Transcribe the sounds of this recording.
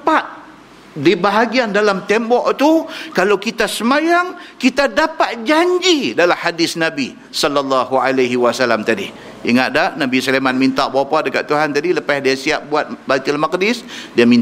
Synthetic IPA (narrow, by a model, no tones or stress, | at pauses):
pat̪̚ | dibaɦaɡiandalamt̪ɛmbɔʔt̪ukalawkit̪asəmajaŋkit̪adapat̪̚d͡ʒaɲd͡ʒidalamhadɪsnabi | sɔlːalːɑɦualaɦiwasalamt̪adḭ | iŋat̪̚dahnabisəlemanmint̪aʔbapadəka̰ʔt̪uɦant̪adiləpasdiasiap̚buat̪̚bat̪ɪlmakdɪsdiamin